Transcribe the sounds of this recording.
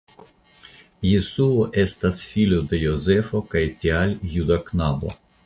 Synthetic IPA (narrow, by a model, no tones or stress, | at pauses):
jesuoʔest̪asfilʲod̪ejozefokajt̪ʲialʲjud̪aknabo̰